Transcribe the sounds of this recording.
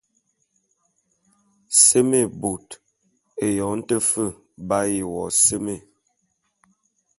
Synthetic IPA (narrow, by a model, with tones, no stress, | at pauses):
sə˦me˦˨bo˨t | e˨jɔ˨˦n̩˦tə˦fə˦˨ | ba˦ji˨wɔ̰˨sə˦me˦˨